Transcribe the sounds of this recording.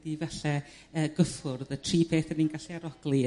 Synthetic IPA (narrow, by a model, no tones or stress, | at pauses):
divɛɬɛ | əːɡəfʊrðətʰriːpʰeːθəninɡaɬiaɾɔɡ̥lˠi